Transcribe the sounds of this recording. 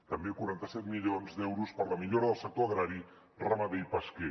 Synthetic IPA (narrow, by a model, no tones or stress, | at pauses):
t̪əmbekuɾant̪əsɛt̪miʎonzd̪ɛwɾuspəɾləmiʎoɾəðəlˠsək̚t̪oəɣɾaɾi | ramaβejpəske